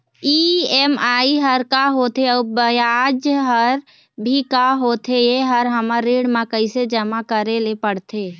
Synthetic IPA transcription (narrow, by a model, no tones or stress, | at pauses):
iːɛmaːiɦəɾkaɦoːt̪ʰeəbəjaːd͡ʒɦəɾ | bʱikaɦoːt̪ʰejeɦəɾɦəmaɾeːɽmãkəised͡ʒəmakəɾelepəɽt̪ʰeː